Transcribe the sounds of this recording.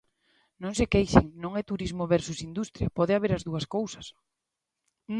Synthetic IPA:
nõŋsɪkejʃɪŋnõŋɛt̪uɾizmʊβɛɾsusind̪ust̪ɾjɐpɔðɪaβeɾɐzðuɐskowsɐ̥s

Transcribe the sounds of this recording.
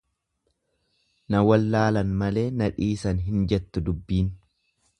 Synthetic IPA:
nɐwɐlːaːlɐnmɐle̞ːnɐᶑiːsɐnɦɪnd͡ʒɛt̪ːʊd̪ʊbːiːn

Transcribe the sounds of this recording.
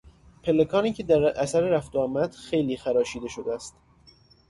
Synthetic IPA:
pʰe̞lekʰɒːniːcʰe̞d̪æɾʔæsæɾeɾæft̪oɒːmæd̪̥xe̞jliːxæɾɒːʃiːd̪e̞ʃod̪eæst̪

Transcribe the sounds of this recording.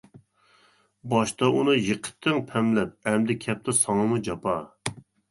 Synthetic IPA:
bɑʃt̪ɑʔunɨjəqʰə̥t̪ʰːɪŋpʰɛmlɛp̚ɛmd̪ɪkʲʰɛp̚t̪ɪsɑŋɨmud͡ʒɑpɑ

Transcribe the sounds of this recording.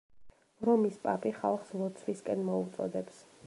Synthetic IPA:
ɾɔmispʼapʼiχa̰lˠχslˠɔt̪sʰviskʼɛnmɔut̪sʼɔ̰d̪ɛps

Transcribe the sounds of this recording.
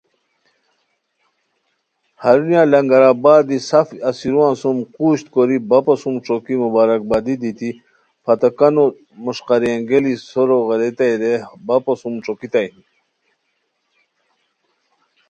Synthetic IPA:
hɐɾunjãlɐŋɡɐɾaːbaːd̪isafɐsiɾuãːnsumquːɕt̪koɾibapɐsumʈ͡ʂokimubaːɾɐk̚bad̪id̪it̪i | pʰɐt̪ɐkano | muʂqaɾiaŋɡelisoɾoɣeɾet̪ajɾebaposumʈ͡ʂokit̪ajni

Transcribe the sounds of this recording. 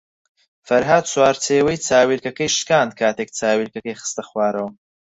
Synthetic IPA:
fɐɾɦaːd̪̚t͡swaːɾt͡sʰeːwɐjt͡saːwiːlkɐkɐjʃkaːnd̪̚kʰaːt̪eːk̚t͡saːwilkɐkɐjxɨ̥st̪ɐxwaːɾɐwɐ

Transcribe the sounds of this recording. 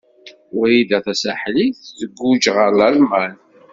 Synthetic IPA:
ʊɾjid̪æθæsæħliθːəɡːud͡ʒʁəɾləlmæn

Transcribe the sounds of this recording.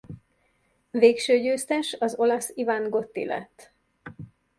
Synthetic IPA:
veːkʃøːɟøːst̪ɛʃɒzo̞lɒsivaːŋɡo̞t̪ːḭlɛ̰t̪ː

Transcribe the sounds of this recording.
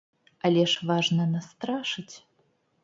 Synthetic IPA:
ɐlʲɛʂvaʐnɐnast̪ɾaʂɨt͡sʲ

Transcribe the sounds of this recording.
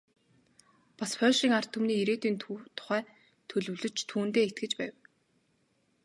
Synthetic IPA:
paspʰœːʃiːŋar̥t̪ʰːumniːiɾeːt̪iːnt̪ʰt̪ʰʊ̥χæː | t̪ʰɵɮɵ̆wɮɵ̆t͡ɕt̪ʰːuːnt̪eːet̪̚ɡɘ̆t͡ɕpæːw

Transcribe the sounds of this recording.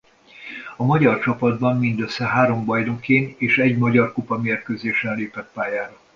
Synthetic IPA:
ɒmɒɟɒrt͡ʃɒpɒd̪bɒmːind̪øsːɛɦaːɾo̞mbɒjd̪okeːneːʃɛɟmɒɟɒrkupɒmeːrkøzeːʃɛnleːpɛt̪̚paːjaːɾɒ

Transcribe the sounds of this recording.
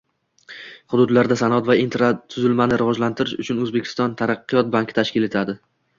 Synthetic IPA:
χʊd̪ʊd̪laɾd̪asanɒt̪vaint̪ɾat̪ʰʊzɪlmanɪɾɪvɒd͡ʒlant̪ʰɪɾɪʃʊt͡ʃʰʊnɵzbe̞kʲʰɪ̥st̪ɒnt̪ʰaɾɑqːɨjɒt̪̚baŋkʲt̪ʰaʃkʲɪlet̪ʰad̪ɪ

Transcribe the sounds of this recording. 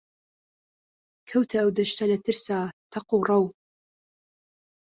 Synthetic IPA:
kʰɐwtʰɐːwdɐʃtʰɐlɐtʰɨrsaːtʰɐqurɐw

